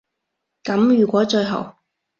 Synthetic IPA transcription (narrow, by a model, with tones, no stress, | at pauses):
kɐ˨˧˥mjyː˨˩kʷɔː˨˥t͡ʃɵ˧ɦɐ˨˩w